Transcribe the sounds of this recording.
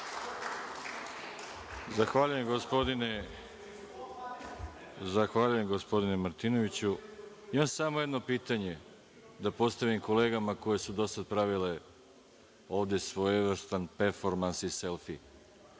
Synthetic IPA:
zaxʋaːʎuje̞mɡospod̪ine | zaxʋaːʎuje̞mɡospo̞d̪inemaɾt̪ino̞ʋit͡ɕu | imamsamoje̞d̪no̞piːt̪aɲe̞ | d̪apo̞st̪aʋimko̞le̞ːɡamako̞je̞sud̪o̞sad̪̚pɾaʋile̞ | o̞ːʋd̪e̞sʋo̞jʋr̩st̪anpeɾfo̞ɾmansise̞lˠfi

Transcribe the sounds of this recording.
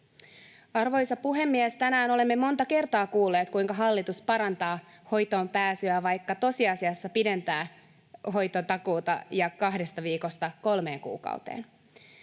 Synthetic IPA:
ɑrʋo̞jsɑpuɦe̞mːiɛst̪ænæːno̞le̞mːe̞mo̞nt̪ɑke̞rt̪ɑːkuːlːe̞ːt̪kujŋkɑɦɑlːit̪uspɑɾɑnt̪ɑː | ho̞jt̪o̞ːmpæːsyæʋɑjkːɑt̪o̞siɑsiɑsːɑpide̞nt̪æː | ɦo̞jt̪ot̪ɑkuːt̪ɑjɑkɑɦde̞st̪ɑʋiːko̞st̪ɑko̞lme̞ːŋkṵːkɑ̰ut̪ḛːn

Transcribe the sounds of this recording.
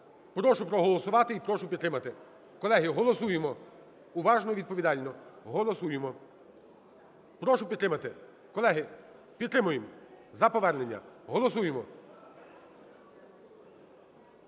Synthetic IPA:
pɾɔʃʊpɾɔɦɔlˠɔsʊʋɑt̪ɪipɾɔʃʊpʲid̪t̪ɾɪmɐt̪ɪ | kɔlˠɛɦɪɦɔlˠɔsujemɔ | ʊʋɑʒnɔʋʲid̪̚pɔʋʲid̪ɑlʲnɔɦɔlˠɔsujɪmɔ | pɾɔʃʊpʲd̪ɾɪmɐt̪ɪ | kɔlˠɛɦɪ | pʲid̪t̪ɾɪmʊjem | zɐpɔʋɛrnenʲːɐ̰ɦɔlˠɔsujemɔ

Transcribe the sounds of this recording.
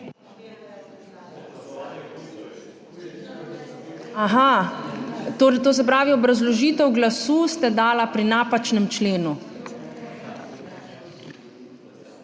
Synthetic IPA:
aɦa | t̪oɾt̪oːs̬ɛp̬ɾaːʋiɔbɾazlɔʒiːt̪ɛwɡlasuːst̪ɛd̪aːlapɾinaːpat͡ʃnɛmt͡ʃleːnu

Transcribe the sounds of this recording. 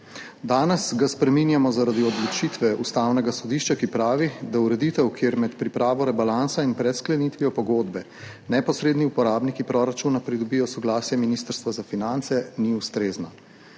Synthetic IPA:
d̪aːnɛsɡaspɾɛminjamɔzaɾad̪iɔd̪lɔt͡ʃit̪ʋɛʔust̪awnɛɡasɔd̪iʃt͡ʃakipɾaːʋid̪auɾɛd̪it̪ɛwkʰjeːɾmɛt̪pɾipɾaːʋɔɾɛbalansainpɾɛt̪sklɛnit̪ʋiɔpɔɡoːd̪bɛ | nɛpɔsɾeːd̪niupɔɾaːbnikipɾɔɾat͡ʃunapɾid̪ɔbijɔsɔɡlaːsjɛminist̪əɾst̪ʋazafinant̪sɛniust̪ɾeːzna

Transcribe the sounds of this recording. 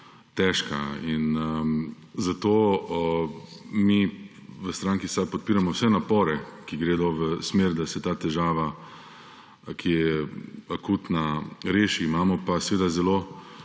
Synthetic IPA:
t̪ɛːʃkainə | zat̪oː | mi | ʋəst̪ɾaːŋkisad̪pɔt̪̚piːɾamɔwsɛnapɔːɾɛkiɡɾeːd̪ɔʋəsmeːɾd̪asɛt̪aːt̪ɛʒaːʋa | kijɛakuːt̪naɾeːʃiːmaːmɔpasɛʋeːd̪azɛlo

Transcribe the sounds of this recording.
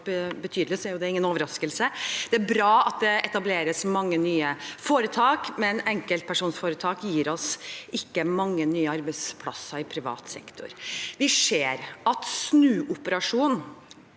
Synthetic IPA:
bət̪ʰyːd̪lɪsɔæɾjʊd̪ɛɪŋːənoːʋəɾɑskəlsəd̪̥ɛæɾbɾɑːɑt̪̚d̪ɛɛt̪ɑbleːɾəsmɑŋːənyːəfoːɾət̪ʰɑːkmɛnɛŋkəlt̪̚pʰæʂuːnsfoːɾət̪ʰɑːkjiːɾɔsɪkːəmɑŋːənyːəɑɾbɛɪspʰlɑ̰sːəɪpʰɾɪʋɑ̰ːt̪sɛ̰kt̪ʰʊ̰ɾʋɪseːɾɑt̪snʉːʔʊpəɾɑʂuːn

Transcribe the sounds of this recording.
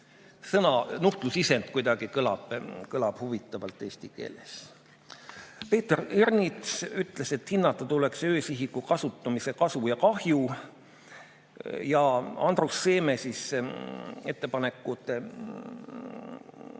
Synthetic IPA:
sɤnɑnuht̪lusise̞nd̪̥kujd̪ɑɡ̥ikɤlɑ̰b̥kɤlɑb̥huvit̪ˑːɑvɑlt̪ːˑe̞ːsʲt̪ike̞̰ːles | pe̞ːt̪ereɾnit̪syt̪ːˑle̞se̞t̪hinːɑt̪ːˑɑt̪ule̞ksø̞ːsiɦikːukɑsut̪ːˑɑmise̞kɑsujɑkɑhju | jɑɑ̰nd̪rusːe̞ːme̞sis | e̞t̪ːe̞pɑne̞kːˑut̪ˑe

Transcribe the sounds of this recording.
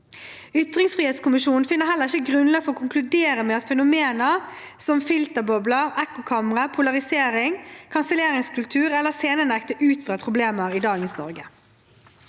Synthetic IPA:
ʏt̪ʁɪŋsfʁiːeːt̪skʊmɪʃuːn̩fɪnːəɦɛləʁɪçəɡʁʉnlɑːɡfɔɔːkʰʊŋklʉd̪eːɾəmɛːɑt̪fɛnʊmeːnə | sɔmfɪlt̪əbɔbləʁɛkːʊkʰɑməʁəpʰʊlɑʁɪseːɾɪŋkʰɑnsəleːʁɪŋskʉlt̪ʰʉːʁɛlːəseːnənɛkt̪əʔʉːt̪fɑːpʰʁʊbleːməʁiːd̪ɑːɡənsnɔ̰ʁɡə

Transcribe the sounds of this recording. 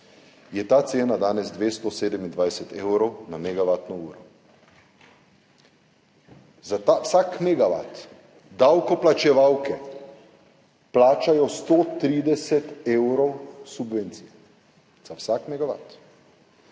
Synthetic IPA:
jɛt̪aːt̪seːnad̪aːnɛzd̪ʋeːst̪ɔseːd̪ɛmind̪ʋajsɛt̪eːwɾɔwnamɛɡaʋaːt̪nɔuːɾɔ | zat̪awsaːkmɛɡaʋa̰t̪ | d̪awkɔplat͡ʃɛʋawkɛ | plaːt͡ʃajɔst̪oːt̪ɾiːd̪ɛsɛt̪ewɾɔwsubʋeːnt̪sijɛ | zawsakmɛɡaʋa̰t̪

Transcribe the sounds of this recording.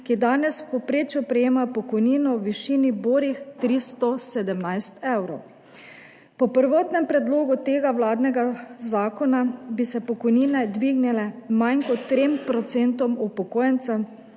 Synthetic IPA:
kid̪aːnɛspɔpɾeːt͡ʃjupɾɛjeːmapɔkɔjniːnɔwʋiʃiːniboːɾixt̪ɾist̪ɔsed̪ɛmnajst̪ɛwɾɔw | pɔpəɾʋɔːt̪nɛmpɾɛd̪loːɡut̪eːɡawlaːd̪nɛɡazaːkɔnabisɛpɔkɔjniːnɛd̪ʋiːɡnɛlɛmajnkɔt̪ːɾempɾɔt̪sent̪ɔmupɔkoːjɛnt̪sɛm

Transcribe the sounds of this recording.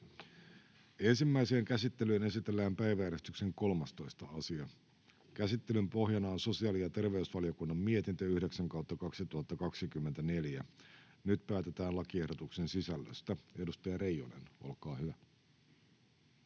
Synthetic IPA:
e̞nsimːæise̞ːŋkæsit̪ːe̞lyːne̞sit̪e̞lːæːmpæjʋæjæɾe̞st̪ykse̞ŋko̞lmɑst̪o̞ist̪ɑɑsiɑ | kæsit̪ːe̞lympo̞ɦjɑnɑonso̞siɑːlijɑt̪e̞rʋe̞ysʋɑlio̞kunːɑmːiet̪int̪øyhde̞ksæŋkɑwt̪ːɑkɑksit̪uhɑt̪ːɑkɑksikymːent̪æneljæ | nyt̪pæːt̪e̞t̪æːnlɑkie̞hdot̪ukse̞nsisælːø̰st̪æe̞dust̪ɑjɑɾe̞jonḛno̞̰lkɑːhyʋæ

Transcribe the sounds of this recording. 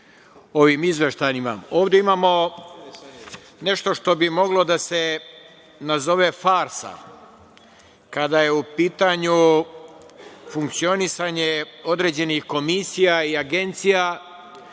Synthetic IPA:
o̞ʋimizʋʲeʃt̪ajnima̰o̞ːʋd̪e̞imaːmo̞ | ne̞ʃt̪o̞ʃt̪o̞bimo̞ɡlo̞d̪ase̞ | nazo̞ʋe̞faːɾsa̰ | kad̪aje̞upiːt̪aɲu | fuŋk̚t̪sio̞nisaɲe̞o̞d̪ɾe̞ːd͡ʑe̞nixko̞misijaiaɡe̞nt̪sija

